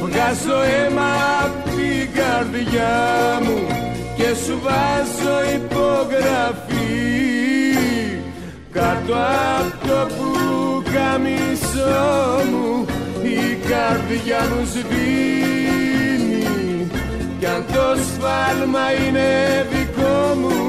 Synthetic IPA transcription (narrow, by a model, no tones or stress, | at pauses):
ɣasoemɐpt̪ikaɾðʝamu | cesuvazoipoɣɾɐafi | kat̪oaft̪opukɐmisomuikɐɾðʝɐnuzði | ni | cɐnd̪osfɐlmɐinevikomu